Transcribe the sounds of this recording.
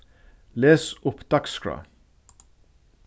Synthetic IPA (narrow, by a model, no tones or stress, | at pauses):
leːsʊpd̪̥ɑkskɹa̰